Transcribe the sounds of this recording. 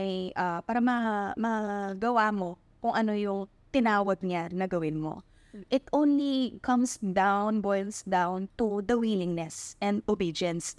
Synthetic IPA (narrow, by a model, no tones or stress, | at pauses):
jʔapaːɾɐmɐmɐɡɐwamo̞ | kʊŋʔɐno̞jʊŋ | t̪ɪnaːwɐd̪̚ɲanɐɡɐwɪnmo̰ | ʔɪt̪ʔõwnlikʰɐ̃msd̪awnbojlsd̪ãwnt̪ʊd̪ɐwiːlɪŋnɛsʔɛ̃nd̪ʊbid͡ʒɐns